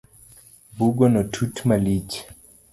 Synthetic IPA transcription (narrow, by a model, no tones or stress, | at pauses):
buɡonɔtʰutmalit͡ʃ